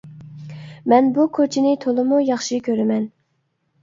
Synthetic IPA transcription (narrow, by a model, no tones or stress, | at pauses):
mɛnbukʰot͡ʃʰinɪt̪ʰolˠɨmujɑχʃikʲʰøɾɪmɛn